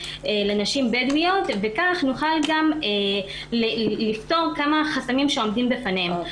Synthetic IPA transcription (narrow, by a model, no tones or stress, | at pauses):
elenaʃimbedwijotvekaχnuχalɡame | llifto̞ʁkamaχasamimʃeo̞mdimbefanem